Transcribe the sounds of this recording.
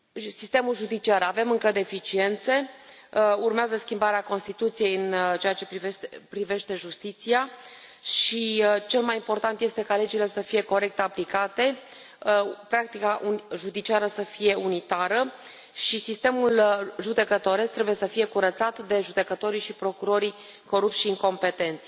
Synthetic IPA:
sist̪e̞mulʒud̪it͡ʃiaɾave̞mɨŋkəd̪e̞fit͡ʃie̞nt̪se̞ | urmeazəskʲimbaɾeako̞nst̪it̪ut̪sijejɨnt͡ʃe̞at͡ʃe̞piepɾive̞ʃt̪e̞ʒust̪it̪siaʃʃit͡ʃe̞lmajimpo̞rt̪ant̪je̞st̪e̞kale̞d͡ʒile̞səfije̞ko̞ɾe̞k̚t̪aplikat̪e̞ | pɾak̚t̪ikaʔuʒud̪it͡ʃiaɾəsəfije̞unit̪aɾə | ʃisist̪e̞mulʒud̪e̞kət̪o̞ɾe̞st̪ɾe̞buje̞səfije̞kuɾət̪sat̪d̪e̞ʒud̪e̞kət̪o̞ɾiʃipɾo̞kuɾo̞ɾi | ko̞ɾup̚t̪sʃiɨŋko̞mpe̞t̪e̞nt̪sə̥

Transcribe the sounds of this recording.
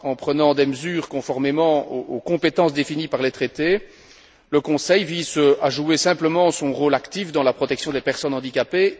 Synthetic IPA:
ɑ̃pχənɑ̃d̪eməzyːʁkɔ̃fɔʁmemɑ̃ookɔ̃pet̪ɑ̃sd̪efinipaʁlet̪χet̪e | ləkɔ̃sɛjvizəaʒuesɛ̃pləmɑ̃sɔ̃ʁoːlakt̪ifd̪ɑ̃lapχɔt̪ɛksjɔ̃d̪epɛʁsɔnɑ̃d̪ikʲape

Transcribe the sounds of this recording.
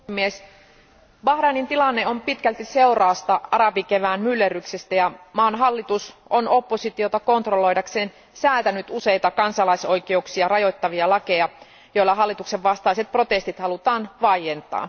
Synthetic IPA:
mies | bɑhɾɑnint̪ilɑnːeo̞mpit̪kælt̪ise̞urɑːst̪ɑɑɾɑpikeʋæːnmylːeryksest̪æjɑmɑːnɦɑlːit̪usono̞pːo̞sit̪iot̪ɑko̞nt̪rolo̞jdɑkseːn | sæːlt̪ænyt̪use̞jt̪ɑkɑnsɑlɑiso̞jkeuksiɑrɑjo̞t̪ːɑʋiɑlɑkejɑ | joilːɑɦɑlːit̪ukseʋʋɑst̪ɑiset̪̚pro̞t̪est̪it̪hɑlut̪ɑːnʋɑijent̪ɑ̰ː

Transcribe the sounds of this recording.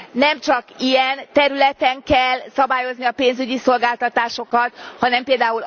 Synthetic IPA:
nɛmt͡ʃɒkijɛnt̪ɛɾylɛt̪ɛŋkɛlːsɒbaːjo̞zniɒpeːnzyɟiso̞lɡaːlt̪ɒt̪aːʃo̞kɒt̪hɒnɛmpeːld̪aːul

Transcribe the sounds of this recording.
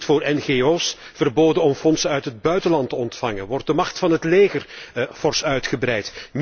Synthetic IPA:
tfʊːrʔɛnɣeːoːs | v̥ərboːdənɔmfɔnsənœɥtɦəd̚bœɥtəlɑntəɔntfɑŋənʋɔrt̚dəmɑxtfɑnɦətleːɣərfɔrsœɥtχəbrɛjtm

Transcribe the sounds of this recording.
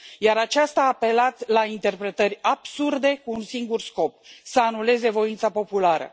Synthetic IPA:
jaɾat͡ʃast̪aːpe̞lat̪sʲlaint̪e̞rpɾe̞t̪ərʲab̥surd̪e̞kuːnsiŋɡursko̞p̚səanule̞ze̞vo̞int̪sapo̞pulaɾə̰

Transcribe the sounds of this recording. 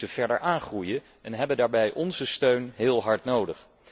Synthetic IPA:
təv̥ɛɹdəɹʔaːnχrujə | ɛnɦɛbəndaːɹbɛjʔɔnzəstøɥnɦɪːlˠɦɑɹtnowdəχ

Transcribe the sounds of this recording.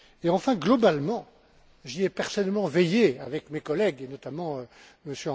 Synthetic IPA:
eɑ̃fɛ̃ɡlɔbalmɑ̃ | ʒiɛpɛʁsɔnɛlmɑ̃vɛjea̰vɛkmekɔlɛɡenɔt̪amɑ̃ø | məsjøɑ̃

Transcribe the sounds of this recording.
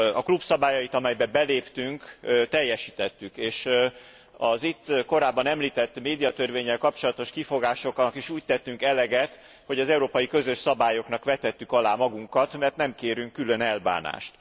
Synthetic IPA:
ɒklubsɒbaːjɒjit̪ɒmɛjbɛbɛleːpt̪yŋkt̪ɛjːɛʃiːt̪ɛt̪ːykeːʃ | ɒzit̪ːko̞ɾaːbːɒnɛmliːt̪ɛt̪ːmeːd̪ijɒt̪ørveːɲːɛlkɒp̚t͡ʃo̞lɒt̪o̞ʃkifo̞ɡaːʃo̞knɒkiʃuːc̚t̪ɛt̪ːyŋkɛlɛɡɛt̪ | ho̞ɟɒzɛuɾoːpɒjikø̞zø̞ʃsɒbaːjo̞knɒkʋɛt̪ːɛt̪ːykɒlaːmɒɡuŋkɒt̪mɛrt̪nɛmkeːɾyŋkːylø̞nɛlba̰ːna̰ːʃt̪

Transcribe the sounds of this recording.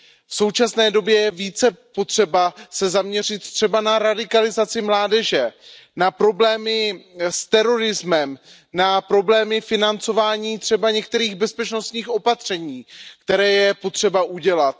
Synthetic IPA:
fso̞wt͡ʃasnɛːdo̞bjɛjɛviːt͡sɛpo̞t̪r̝̥ɛbasɛzamɲɛr̝ɪt̪t̪r̝̥ɛbanaɾadɪkalɪzat͡sɪmlaːdɛʒɛnapɾo̞blɛːmɪst̪ɛɾo̞ɾɪzmɛm | napɾo̞blɛːmɪfɪnant͡so̞vaːɲiːt̪r̝̥ɛbaɲɛk̚t̪ɛɾiːɣbɛspɛt͡ʃno̞st̪ɲiːxʔo̞pat̪r̝̥ɛɲiːkt̪ɛɾɛːjɛpo̞t̪r̥ɛbaʔuɟɛlat̪̚

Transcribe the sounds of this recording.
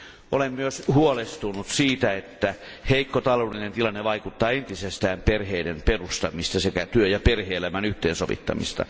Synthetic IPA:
ʔolemmyøshuolest̪unut̪siːt̪æet̪ːæ | heikːot̪ɑloˑːlinent̪ilɑnːeʋɑikut̪ːɑːent̪isest̪æːmperheidemperust̪ɑmist̪ɑsekæt̪yøjɑperheːlæmænyht̪ḛːnsoʋḭt̪ːɑ̰mḭst̪ɑ̰

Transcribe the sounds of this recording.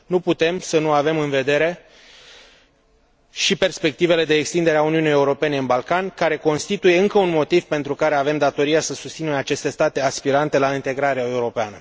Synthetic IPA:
nuput̪e̞msənuave̞mɨnve̞d̪e̞ɾe̞ | ʃipe̞rspe̞k̚t̪ive̞le̞d̪e̞ːkst̪ind̪e̞ɾeauniunijeuɾo̞pe̞ne̞ɨnbalkankaɾe̞ko̞nst̪it̪uje̞ɨŋkəunmo̞t̪iv̥pe̞nt̪ɾukaɾe̞ave̞md̪at̪o̞ɾiasəsust̪sineat͡ʃe̞st̪est̪at̪e̞aspiɾant̪e̞laint̪e̞ɡɾaɾeae̞uɾo̞peanə

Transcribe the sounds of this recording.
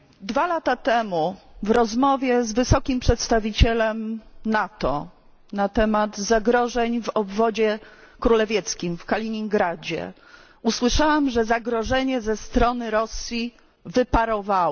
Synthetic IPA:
d̪valat̪at̪ɛmuvɾɔzmɔvʲjɛzvɘsɔkʲimpʂɛt̪st̪avʲit͡ɕɛlɛmnat̪ɔ̰ | nat̪ɛmad̪zaɡɾɔʐɛɲvɔbvɔd͡ʑɛ | kɾulɛvʲjɛt̪skʲimfkalʲiɲiŋɡɾad͡ʑɛ̰ | uswɘʂawamʐɛzaɡɾɔʐɛɲɛzɛst̪ɾɔnɘɾɔsʲji | vɘpaɾɔvawɔ

